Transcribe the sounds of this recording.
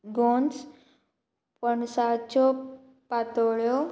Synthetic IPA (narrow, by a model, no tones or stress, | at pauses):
ɡons | pəɳsat͡ɕɔ | pat̪ɭjɔ